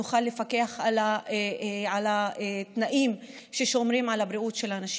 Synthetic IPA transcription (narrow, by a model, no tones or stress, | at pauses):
uχalːefake̞aχʕala | ʕalat̪naʔim | ʃeʃo̞mʁimʕalabɾiutʃelanaʃ